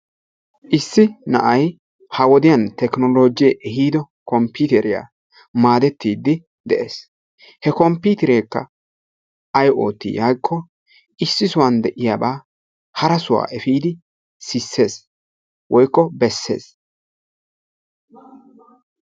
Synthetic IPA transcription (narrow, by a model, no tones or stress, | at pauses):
ʔɪsːɪnɐ̰ʔɐj | hɐwɔd̪ɪjɐnt̪ɛknɔlo̞ːd͡ʒɪjɛʔɛhiːd̪ɔ | kɔmpit̪ɛɾɪja̰ː | maːd̪ɛt̪ːiːd̪ːɪ | d̪ɛʔeːs | hɛkɔmpiːt̪ɪɾeːkːɐ̰ | ʔɐjʔo̞ːt̪ːḭːjajkʰːɔ | ʔɪsːɪsʊwɐnd̪ɛʔɪjaːbaː | hɐɾɐsʊwa̰ːʔɛfiːd̪ɪ | sɪsːe̞ːs | wʔɔjkːɔbɛsːe̞̰ːs